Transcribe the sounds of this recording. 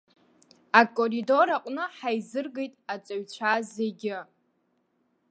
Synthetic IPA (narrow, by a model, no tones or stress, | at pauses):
akʼorido̞ɾaqʷʼnɨħajzɨrɡe̞jtʼat͡sʼaɥt͡ɕʷʰazeɡʲɪ